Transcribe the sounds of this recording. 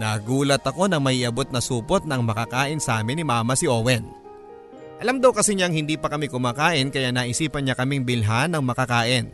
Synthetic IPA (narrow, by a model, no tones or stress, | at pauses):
nɐːɡuːlɐt̪ɐko̞nɐŋmɐʔiʔɐbo̞t̪̚nɐsuːpot̪̚nɐŋmɐkakaːʔɪnsɐʔaːmɪnɪmaːmɐsɪʔowɛn | ʔɐlamd̪ɐwkɐsɪɲaŋhɪnd̪iːpɐkɐmɪkʊmaːkaːʔɪnkɐjanɐːʔɪsiːpɐnɲakɐmɪŋbɪlɦanɐŋmɐkakaːʔɪn